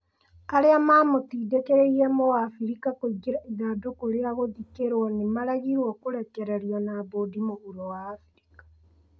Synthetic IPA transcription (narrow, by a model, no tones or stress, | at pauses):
aɾeamaːmotiːdekeɾeiɾɛmowafiɾikakoiɡeɾaiðadokoɾeaɣoðikeɾwɔnemaɾaɣiɾwɔkoɾɛkɛɾɛɾiɔnaːβoːdimoɣuɾowaːfiɾikḁ